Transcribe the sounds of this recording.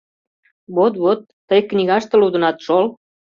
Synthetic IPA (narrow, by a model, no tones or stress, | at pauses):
βot̪βot̪ːəjknʲiɣɑʃt̪ĕlud̪ə̆nɑt̪ʃol